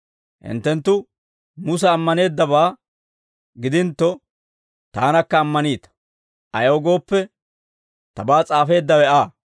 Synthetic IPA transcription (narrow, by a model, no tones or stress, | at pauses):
hɪ̰nt̪ːɛnt̪ːʊ | mʊs̬ɛːmːɐne̞ːd̪ːɐbaː | ɡɪd̪ɪnt̪ːɔ | t̪aːnɐkːɐːmːɐniːt̪ɐ̥ | ʔɐjɐwɔɡo̞ːpːɛ | t̪ɐbaːt͡sʼaːfe̞ːd̪ːɐwɛaː